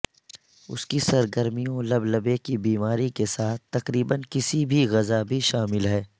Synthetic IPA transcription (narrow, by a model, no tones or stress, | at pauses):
ʊ̰skisɐɾɡəɾmijõlɐblɐbekibiːmaːɾikesaːt̪̚ʰt̪ɐqɾiːbənkɪsibʱiɣɐzabʱiʃaːmɪlɦɛː